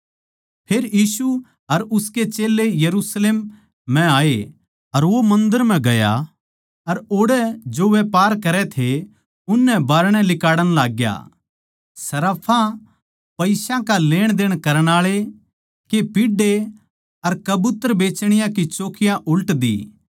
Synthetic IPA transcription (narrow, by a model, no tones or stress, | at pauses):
pʰeːɾjiːsu | ɐɾʊsket͡ʃeːlːejɐɾusleːm̤ː | ɛ̃aːe | ɐɾʋomɐ̃nd̪əɾm̤ɛ̃ɡɐja̰ | ɐɾoːɽɛd͡ʒoʋepaːɾkɐɾɛt̪ʰe | ʊnːɛbaːɾɽ̃ɛlɪkaːɽəñlaːɡja̰ː | sɐɾaːpʰã | pɐɪsãkaleːɽ̃d̪eːɽ̃kɐɾəɽ̃aːɭe | kepɪɖe | ɐɾkɐbʊt̪ːəɾbeːt͡ʃɽ̃ɪjãkit͡ʃoːkʰɪjãʔʊlʈd̪ḭː